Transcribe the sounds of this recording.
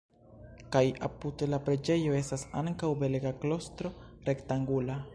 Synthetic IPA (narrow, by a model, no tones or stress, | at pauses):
kajapudlapɾe̞d͡ʒe̞jo̞e̞stasa̰ŋkawbe̞lɡaklo̞stɾo̞ɾe̞ktaŋɡula